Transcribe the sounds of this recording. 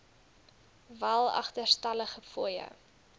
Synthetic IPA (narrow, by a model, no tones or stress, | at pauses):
vælˠɐ̰χtərstɐləχəfuəjə̰